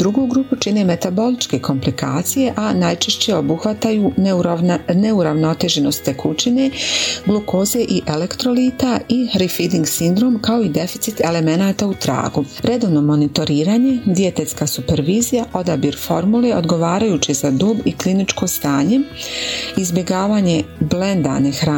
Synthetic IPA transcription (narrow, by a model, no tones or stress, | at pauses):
d̪ɾuɡoɡɾuːput͡ʃine̞me̞t̪abo̞lit͡ʃke̞kʰo̞mplikʰa̰ːt̪sije̞ʔanajt͡ʃeʃt͡ɕe̞o̞buxʋat̪ajuː | neuɾaʋno̞t̪e̞ʒeno̞st̪ekʰut͡ɕine̞ɡloko̞ːze̞ʔiʔele̞kt̪ɾo̞liːt̪aiɾifid̪iŋɡsind̪ɾo̞ːmkao̞id̪e̞fi̥t̪sit̪e̞le̞me̞naːt̪aut̪ɾa̰ːɡu | ɾe̞d̪oʋno̞mo̞nit̪o̞ɾiːɾaːɲe̞d̪ije̞t̪et̪skaːsupe̞ɾʋiːzijaʔo̞d̪abiɾfo̞ɾmuleʔo̞d̪ɡo̞ʋaːɾajuːt͡ɕizad̪uːbiklinit͡ʃko̞st̪aːɲe̞ | izbʲjeɡaːʋaːɲe̞blend̪a̰nexɾa